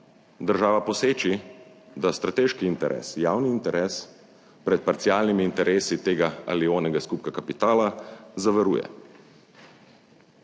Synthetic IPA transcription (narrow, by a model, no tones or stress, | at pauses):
d̪əɾʒaːʋapɔseːt͡ʃi | d̪ast̪ɾat̪eːʃkiːnt̪ɛɾʔɛ̰ːsjaːwniːnt̪ɛɾʔɛːs | pɾɛt̪̚paɾt̪sijaːlnimiːnt̪ɛɾʔeːsit̪eːɡaa̰lioːnɛɡaskuːpkakapit̪aːlazaʋɛɾṵːjɛ̰